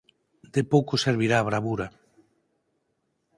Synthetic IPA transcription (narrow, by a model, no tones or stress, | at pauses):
d̪epowkoseɾβiɾaːβ̞ɾaβuɾa